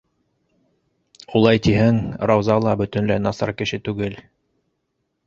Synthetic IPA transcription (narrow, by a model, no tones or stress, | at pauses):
ulˠɑjt̪iɦɘŋɾɑwzɑlˠɑbɵ̆t̪ɵ̆nlænɑsɑ̰ɾkɘ̆ʃɘt̪ʉɡɘl